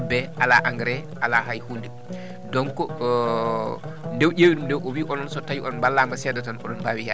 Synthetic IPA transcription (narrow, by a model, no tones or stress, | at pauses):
bɛʔalaʔaŋɡɾɛʔalaɦajhundɛ | dɔnkɔ | ndɛwɟewidumndɛwʔɔwiʔɔnɔnsɔtajiɔnbalːamasɛdatanɔ̰ɗɔnbaːwija